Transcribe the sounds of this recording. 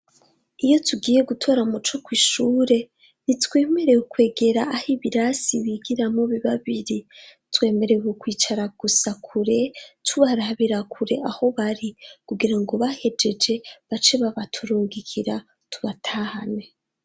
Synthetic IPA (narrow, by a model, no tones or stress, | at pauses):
ijo̞tʰuɡiːje̞ɡutʰo̞ːɾamut͡ʃo̞kwiːʃuːɾe̞ | nitwe̞ːme̞ɾe̞ukwe̞ːɡe̞ɾaʔːhiβiɾasiβiɡiɾamoβiβaβiɾi | twe̞ːme̞ɾewukwiːt͡ʃaɾaɡ̥usakʰuɾe̞tʰuβaɾaβiɾakʰuɾe̞ʔaho̞βaɾikuɡiɾaŋɡo̞βahe̞d͡ʒe̞d͡ʒe̞βat͡ʃe̞βaβatʰuɾuːŋɡikʰiɾa | tʰuβatʰaːhane